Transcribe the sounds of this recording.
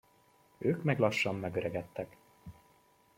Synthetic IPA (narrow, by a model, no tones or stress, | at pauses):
øːkmɛɡlɒʃːɒmːɛɡøɾɛɡɛt̪ːɛk